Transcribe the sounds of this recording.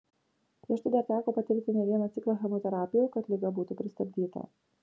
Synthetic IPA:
pʲɾʲiɛʃt̪ɐɪd̪ɐɾt̪ʲæːkoːpɐt̪ʲɪɾʲt̪ʲɪnʲɛʋʲiɛnɐt̪sʲɪklˠɐxʲɛmot̪ʲɛɾaːpʲɪjɛkɐt̪lʲɪɡɐbuːt̪upʲɾʲɪst̪ɐbʲd̪ʲiːt̪ɐ̰

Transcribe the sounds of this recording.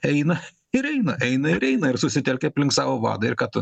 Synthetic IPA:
ɛɪnɐ | ɪɾɛɪnɐʔɛɪnɐɪɾɛɪnɐɪɾsʊsʲɪt̪ʲɛlʲkʲɛɐpʲlʲɪŋksɑːʋoːʋɑ̰ːd̪ɐɪɾkɑːt̪ʊ

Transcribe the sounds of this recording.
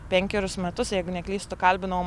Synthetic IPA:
pʲɛŋʲkʲɛɾʲʊsmʲɛt̪ʊsjɛɪɡʊnʲɛklʲiːst̪ʊkɐlʲbʲɪnɐʋm

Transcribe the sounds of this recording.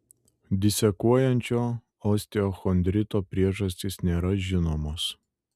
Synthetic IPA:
d̪ʲɪsʲɛkuɔjɛnʲt͡ʃʲoː | ɔsʲt̪ʲɪɔːxɔnʲd̪ʲɾʲɪt̪oːpʲɾʲiɛʒɐsʲt̪ʲɪsnʲeːɾɐʒʲɪnoːmoːs

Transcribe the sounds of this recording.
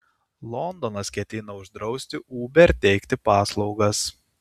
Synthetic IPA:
lˠɔnd̪ɔnɐskʲɛt̪ʲɪnɐʊʒd̪ɾɒʊsʲt̪ʲɪʔuːbʲɛɾt̪ʲɛɪkt̪ʲɪpɑːslˠɒʊɡɐs

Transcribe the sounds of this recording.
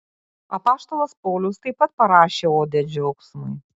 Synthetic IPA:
ɐpɑːʃt̪oːlˠɐspɔʊlʲʊst̪ɐɪpɐt̪̚pɐɾɑːʃʲeːoːd̪ʲɛd͡ʒʲɔʊksmʊɪ

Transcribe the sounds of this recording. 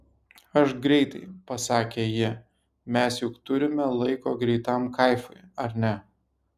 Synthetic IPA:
ɐʃɡɾʲɛɪt̪ɐɪpɐsɑːkʲeːjɪ | mʲɛsjʊkt̪ʊɾʲɪmʲɛlˠɐɪkoːɡɾʲɛɪt̪ɐmkɐɪfʊɪɐɾnʲɛ

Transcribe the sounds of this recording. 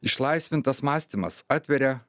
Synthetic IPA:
ɪʃlˠɐɪsʲʋʲɪnt̪ɐsmɑːsʲt̪ʲimɐ̰sɑːt̪ʲʋʲɛɾʲɛ

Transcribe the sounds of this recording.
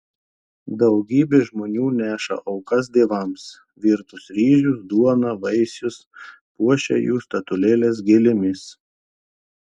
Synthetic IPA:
d̪ɐʊɡʲiːbʲeːʒmoːnʲuːnʲæːʃɐ̰ʔɐʊkɐs̬d̪ʲeːʋɐms | ʋʲiːɾt̪ʊsɾʲiːʒʲʊsd̪uɔnɐʋɐɪsʲʊs | puɔʃʲɛ̰juːst̪ɐt̪ʊlʲeːlʲeːs̬ɡʲɪlʲɪmʲɪs

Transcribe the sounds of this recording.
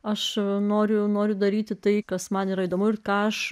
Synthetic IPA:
ɐʃnoːɾʲʊnoːɾʲʊd̪ɐɾʲiːt̪ʲɪt̪ɐɪkɐsmɐniːɾɐiːd̪oːmʊɪrkɑːɐʃ

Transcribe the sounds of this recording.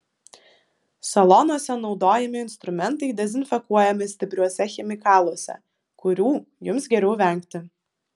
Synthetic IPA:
sɐlˠɔnuɔsʲɛnɒʊd̪oːjɛmʲɪɪnst̪ɾʊmʲɛnt̪ɐɪd̪ʲɛzʲɪnfʲɛkuɔjɛmʲɪsʲt̪ʲɪpʲɾʲuɔsʲɛxʲɛmʲɪkɑːlˠuɔsʲɛ̰ | kʊɾʲuː | jʊmsɡʲɛɾʲɛʊʋʲɛˑŋʲˑkt̪ʲɪ

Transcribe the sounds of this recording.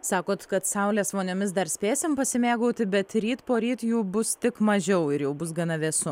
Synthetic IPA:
sɑːkoːt̪kɐt̪sɐʊlʲeːsʋoːnʲoːmʲɪsd̪ɐɾsʲpʲeːsʲɪmpɐsʲɪmʲeːɡoːt̪ʲɪbʲɛt̪ɾʲiːt̪poːɾʲiːt̪juːbʊst̪ʲɪkmɐʒʲɛʊɪɾjɛʊbʊs̬ɡɐnɐʋʲeːsʊ

